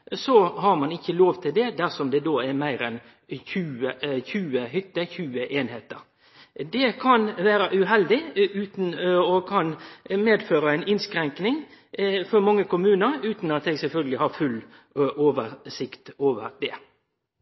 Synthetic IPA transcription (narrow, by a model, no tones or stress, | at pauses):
sɔhɑɾmɑnɪçːəloːʋt̪ʰɪld̪ɛd̪æʁsɔmd̪ɛd̪oːɛɾmæɪɾɛn | çʉːəçʉːəhʏt̪ːəçʉːəʔeːnheːt̪ə̰ɾ | d̪ɛkʰɑnʋæːɾəʔʉɦɛld̪ɪʉːt̪n̩ɔkʰɑnmeːd̪føːɾəæɪnɪnskɾɛŋknɪŋfɔɾmɑŋːəkʊmʉːnəɾʉːt̪nɑt̪̚ɛːɡsɛlfœlɡəlɪhɑɾfʉl | oːʋəɾsɪkt̪oːʋəɾd̪ɛ